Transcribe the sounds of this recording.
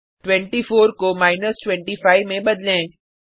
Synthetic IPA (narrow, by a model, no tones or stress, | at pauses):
ʈwɛ̃ɳʈifoːɾkomaːɪnəsʈwɛ̃ɳʈifaːɪʋmẽbɐd̪lẽː